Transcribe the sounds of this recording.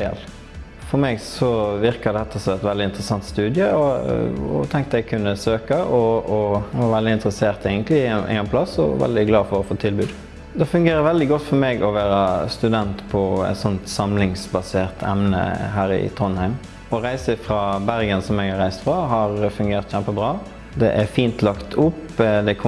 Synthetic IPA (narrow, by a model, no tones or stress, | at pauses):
ɛ̰l | fɔɾmɛɡsɔʋɪʁkɑd̪ɛt̪ːəsɔmɛt̪ʋɛld̪ɪnt̪ɾəsɑnt̪st̪ʉːd̪ɪəɔɔ̰t̪ʰɛŋkt̪əɛɡkʰʉnːəsøːkəʔɔɔʋɑɾʋɛld̪ɪnt̪ɾəseːʁt̪æɪɡənt̪ʰlɪɪ̰ɛnpʰlɑsɔ̰ʋɛ̰ld̪ɪɡlɑːfɔɾɔfoːt̪ʰɪlbʉːd̪ | d̪ɛfʉŋɡeːɾəɾʋɛld̪ɪɡɔt̪ːfɔɾmɛɡɔʋæːɾəst̪ʉd̪ɛnt̪pʰɔɛ̰t̪sɔnt̪sɑmlɪŋsbɑseːʁt̪ʰɛ̰mnə̰ɦæːɾɪ̰t̪ʰʁɔnhæɪm | ɔɾæɪsəfɾɑːbæʁɡənsɔmɛɡhɑɾæɪst̪fɾɑɦɑɾfʉŋɡeːʁt̪çæmpəbɾɑː | d̪ɛʔæɾfiːnt̪lɑkt̪ʰʊpː | d̪ɛkʰ